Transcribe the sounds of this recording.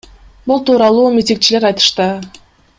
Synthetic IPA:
bulˠt̪uːɾɑlˠuːmʲit̪ʲiŋk̚t͡ʃileɾɑjt̪ɯ̥ʃt̪ɯ

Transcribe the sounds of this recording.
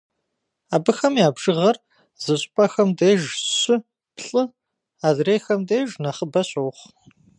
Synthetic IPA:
aːbɨxɐmjaːbʒ̥ɨʁɐr | z̥ɨɕʼpʼɐxɐmdeːʒɕɪ | pɬʼɨ | aːzreːxɐmdeːʒnɐχəbɐɕʼowχ

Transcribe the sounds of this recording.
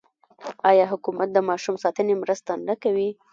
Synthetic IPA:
ɑjɑɦʊkumat̪̚d̪əmɑʃumsɑt̪ənemɾəst̪anəkawi

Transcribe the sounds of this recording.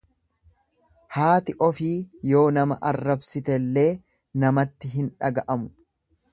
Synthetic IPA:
haːt̪ɪʔɔfiːjo̞ːnɐmɐʔɐrːɐbsɪt̪ɛlːe̞ː | nɐmɐt̪ːɪɦɪnᶑɐɡɐʔɐmʊ̥

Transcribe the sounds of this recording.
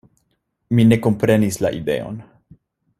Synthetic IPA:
mine̞ko̞mpɾe̞nisla̰ʔḭd̪e̞̰o̞̰n

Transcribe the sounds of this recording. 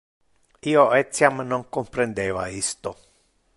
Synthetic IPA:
iːoɛt̪sːjamnoŋkompɾend̪ɛːva̰ist̪o

